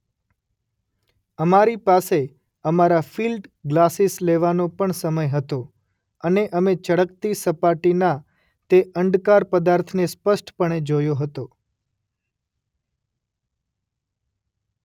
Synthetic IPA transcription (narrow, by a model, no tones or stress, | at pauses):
əmaɾipase | əmaɾafilɖɡlasisleʋanõpəɳsəməjɦət̪o | əneʔəmet͡ʃəɽək̚t̪isəpaʈina | t̪eʔəɳɖkaɾpəd̪aɾt̪ʰnespəʃʈpəɳed͡ʒojoɦət̪o